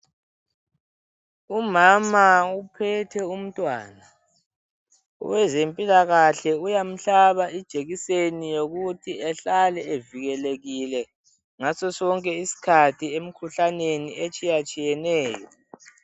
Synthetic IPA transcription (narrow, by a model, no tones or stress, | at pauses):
umamaupʰɛtʰɛum̩tʼwa̰ːna | wɛzempʼilaɣaɬɛujam̩ɬaβaid̥ʒ̥ʱeɣisenijoɣutʰiɛɬalɛeviɣɛleɣilɛ | ŋasɔsɔŋkʼɛisi̥kʰatʰiem̩kʰuɬaneniet͡ʃʼijat͡ʃʼijɛnɛːjɔ